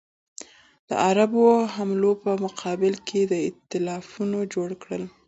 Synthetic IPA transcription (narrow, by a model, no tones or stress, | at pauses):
d̪̥ə̰ʔaɾaboɦamlopəmʊqʰɑbɪlkʰed̪əɪt̪ːɪlɑfunod͡ʒoɽkɽəl